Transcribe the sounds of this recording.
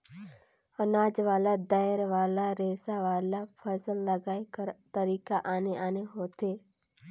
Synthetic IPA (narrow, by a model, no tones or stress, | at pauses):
ɐnaːd͡ʒʋaːlad̪aːɪɾʋaːlaɾeːsaʋaːlafʰəsəlːɐɡaːekəɾt̪əɾiːkaʔaːneʔaːneɦoːt̪eː